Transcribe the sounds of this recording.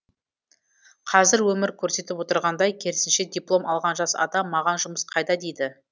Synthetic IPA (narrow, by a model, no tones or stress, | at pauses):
qʰɑzɪɾwɵmɪɾkʲʰɵɾse̞t̪ɪpwo̞t̪əɾʁɑnd̪ɑjkʲʰe̞ɾɪsɪnʃe̞d̪ʲijplˠo̞mɑlˠʁɑnʒɑsɑ̰d̪ɑmːɑʁɑnʒʊməsqʰɑjd̪ɑd̪ejd̪ɪ